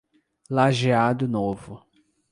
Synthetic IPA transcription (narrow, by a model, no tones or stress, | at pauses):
laʒead̪ʊnovʊ